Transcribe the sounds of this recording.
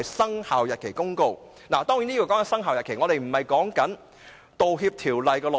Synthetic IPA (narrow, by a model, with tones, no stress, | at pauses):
jsɐ˥ŋhaː˨wjɐ˨t̚kʰe˨˩jkʊ˥ŋko˧w | naː˨˩t̪ɔː˥ŋjiː˨˥niː˥kɔː˧kɔː˨˥ŋkɐ˨˥nsɐ˥ŋaː˨wjɐ˨tkʰe˨˩jŋɔː˨˧ɾe˨jm̩˨˩mɐ˨jkɔː˨˥ŋkɐ˨˥n | t̪o˨wɦiː˧p̚t̪ʰiː˨˩wlɐ˨jkɛː˧lɔ˨